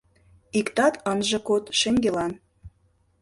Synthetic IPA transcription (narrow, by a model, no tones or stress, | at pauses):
ikt̪ɑt̪ʰənʒɤ̆kot̪ʃeŋɡelɑn